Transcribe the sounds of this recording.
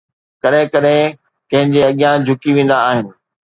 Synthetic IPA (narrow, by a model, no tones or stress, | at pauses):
kɐɗɦɪ̃kɐɗɦɪ̃ | kɐ̃ɦɪ̃ɲd͡ʑeɐɠijãd͡ʑʱʊkiʋẽːn̆d̪aaːɦɪnɪ̆